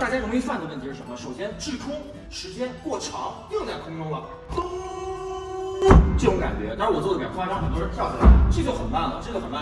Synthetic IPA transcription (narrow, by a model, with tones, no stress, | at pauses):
t̪a˥˩t͡ɕja˥o˧˥m˥fa˥˩nd̪ə˩wə˥˩t̪ʰi˧˥ʂɻ̩˥˩ə˧˥nmə˧ʂo˨˩ʊɕjɛ˥nʈ͡ʂɻ̩˥˩kʰʊ˥ŋ | ʂɻ̩˧˥t͡ɕjɛ˥nkwɔ˥˩ʈ͡ʂʰɑ˧˥ŋt̪i˥˧t͡sa˥˩ɪkʰʊ˥ŋʈ͡ʂʊ˥ŋlə˨ | ʈ͡ʂɤ˥˩ʈ͡ʂʊ˧˥ŋka̰˨˩nt͡ɕɥɛ̰˧˥na˥˩˧wɔ˨˩t͡swɔ˥˩ə˩˧˥a˥ɑ˥xə˨˩nt̪wɔ˥ɻə˧˥t̪ʰjɑ˥˩ʊt͡ɕʰla̰˧˥ɪʈ͡ʂɤ˥˩˧t͡ɕjo˥˩ʊxə˨˩nma˥˩nlə˩ʈ͡ʂɤ˥˩ɡə˩xə˨˩nma˥˩˥